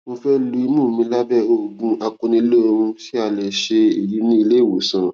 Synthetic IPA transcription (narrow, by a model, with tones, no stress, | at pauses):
mõ˧fɛ˦lu˧˦i˧mũ˦˨mĩ˧˦la˦bɛ˦˨o˨ɡũ˧a˧kõ˧nĩ˧˦lo˦o˧ɾũ˧ti˦a˧˨lɛ˨ʃe˧i˨ji˨˦nĩ˦i˧le˦˨wo˨˦sɔ̃˨ɾã˨